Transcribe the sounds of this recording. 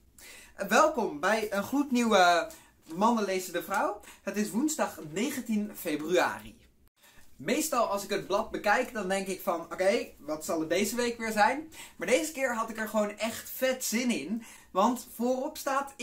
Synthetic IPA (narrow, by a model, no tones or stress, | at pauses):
ʋɛlˠkɔmbɛjənχrutniwə | mɑnəlejzədəvrʌwɦətɪsʋunzdɑχnejχəntinfejbrya̰ːrḭ | mejstɑlˠɑlˠsɪkəd̚blɑt̚bəkɛjkdɑndɛŋkɪkfɑnokejʋɑtsɑlˠədejzəʋejkʋɪːɹzɛjnmaːɹdejzəkɪːɹɦɑtɪkɛɹχəʋownɛχtfɛtz̥ɪnɪn | ʋɑntfoːrɔpstaːt